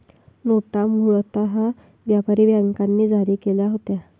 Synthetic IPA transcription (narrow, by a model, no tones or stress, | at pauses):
noʈamuɭt̪aɦa | ʋjapaɾiːʋjaŋkanːiːd͡zʱaɾiːkeljaɦot̪ja